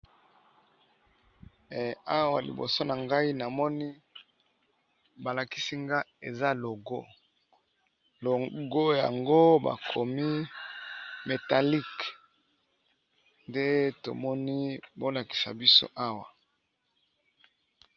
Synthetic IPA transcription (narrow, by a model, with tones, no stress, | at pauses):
a˦wa˨lḭ˨bo̰˨so˦na˨ŋɡa˦i˦na˨mɔ˦ni˦ | ba˨la˨ki˦si˦ŋɡa˦e˨za˦lo˨ɡo˦ | lo˨ɡo˦ja̰˨ŋɡo˦ba̰˨kʰo˨mi˦ | me˨ta˨li˦˨k | nde˦to̰˨mɔ˦ni˦bo˦la˨ki̥˨sa̰˨bi˦so̰˦ʔa˦wa˨